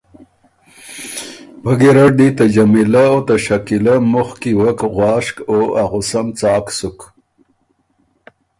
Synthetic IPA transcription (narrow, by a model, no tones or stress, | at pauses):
baɡeɾaʈ̚d̪it̪ad͡ʒamilaot̪aʃakilamʊxkiwəkɣwɑːʂkoaɣʊsamt͡sɑːksuk